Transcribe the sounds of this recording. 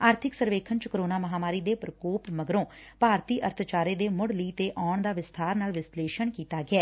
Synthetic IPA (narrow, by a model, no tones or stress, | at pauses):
aːɾt̪ʰɪksəɾʋeːkʰənt͡ʃkəɾoːnaːməɦaːmaːɾiːd̪eːpɾəkoːpməɡɾõːpaːɾt̪iːʔəɾt̪ʰt͡ʃaːɾeːd̪eːmʊɽliːt̪eːʔaːɳd̪aːʋɪst̪ʰaːɾnaːlʋɪsleːʃəɳkiːt̪aːɡɪɛː